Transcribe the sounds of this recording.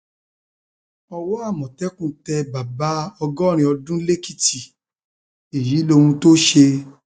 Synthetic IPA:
ɔ˧wɔ˦a˦˨mɔ̃˨tɛ˦kũ˦tɛ˧ba˨ba˨˦ɔ˧ɡɔ˦˨ɾ̃ĩ˧ɔ˧dũ˦le˦ki˦˨ti˨ | i˨ji˨˦lo˧ũ˧to˦ʃe˧

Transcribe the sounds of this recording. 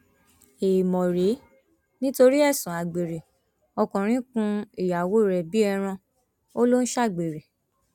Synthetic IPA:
e˨mɔ̃˨ɾe˨˦ | nĩ˦to˧ɾi˦ɛ˦˨sũ˨a˨ɡ͡be˨ɾe˨ | ɔ˧kũ˨ɾ̃ĩ˨˦kũ˧i˦˨ja˨wo˨˦˨ɾɛ˨bi˦ɛ˧ɾ̃ã˧ | o˦lo˦n̩˦ʃa˦˨ɡ͡be˨ɾe˨

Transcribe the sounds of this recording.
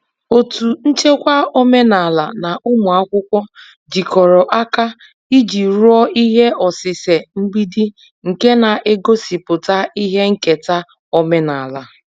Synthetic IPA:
o˨tu˨n̩˦t͡ʃe˦kʷa˦o˦me˦na˨la˨na˨ʔʊ˦mʊ˨a˦kʷʊ˦kʷɔ˦ | d͡ʒi˨kɔ˨ɾɔ˨ʔa˦ka˦ | i˦d͡ʒi˨ɾu˦ɔ˦i˦ɦe˦ɔ˨sɪ˨se˨m̩˦bi˦di˦ | ŋ̩˨ke˦na˨ʔe˦ɡo˦si˨pʊ˨ta˦i˦ɦe˦ŋ̩˦ke˨ta˦ | ɔ˦me˦na˨la˨

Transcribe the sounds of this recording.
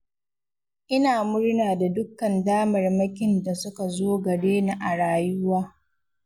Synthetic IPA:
ʔɪ˦naː˨mʊ˦ɽnaː˨da˨dʊ˦kːɐ˨ndaː˦mɐ˨rmɐ˦kʲɪ˨nda˨sʊ˦ka˨zoː˦ɡɐ˨ɽeː˦na˦˨ʔa˨ɽaː˨jʊ˦waː˦

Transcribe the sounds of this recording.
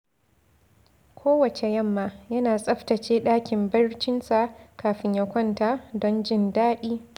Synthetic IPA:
kʷoː˦wɐ˨t͡ʃe˨jɐ˦˨mːaː˨jɐ˦naː˨sʼɐ˦ɸtɐ˨t͡ʃeː˦ɗaː˦kʲɪ˨mbɐ˦rt͡ʃɪ˦nsa˨kʰaː˨ɸɪ˦ɲjɐ˦kʷɔ˦ntaː˨dɔ˦nd͡ʒɪ˦˨ndaː˦ɗiː˦

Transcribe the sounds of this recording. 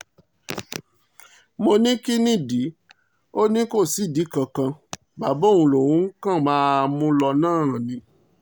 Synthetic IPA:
mo˧nĩ˦ki˦nĩ˦˨di˨˦ | o˦nĩ˦ko˦˨si˨˦˨di˨˦kã˧kã˧ | ba˨˦bo˦˨ũ˧˨lo˨wũ˨˦ŋ̩˦kã˦˨mãː˦˧mũ˦lɔ˧nãː˦˨ã˨nĩ˧

